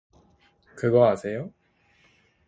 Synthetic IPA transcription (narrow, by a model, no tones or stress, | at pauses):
kɯɡʌasʰe̞jo